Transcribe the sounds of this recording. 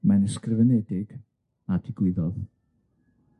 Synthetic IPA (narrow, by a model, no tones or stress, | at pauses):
manəskrɪvənɛdɪɡ̥ | adɪɡ̥wɪðɔð